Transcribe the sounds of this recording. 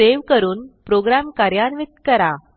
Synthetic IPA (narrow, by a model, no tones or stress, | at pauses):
eʋkəɾuːnpɾoɡɾamkaɾjanʋit̪̚kəɾa